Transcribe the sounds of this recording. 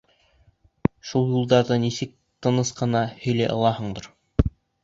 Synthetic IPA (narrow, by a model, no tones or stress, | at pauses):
ʃulˠjulˠd̪ɑɾðɤnisɘk̚ | t̪ɤ̆nɤsqɤ̆nɑhɵ̆jlæʔɤ̆lˠɑhɤ̆ɴd̪ɤɾ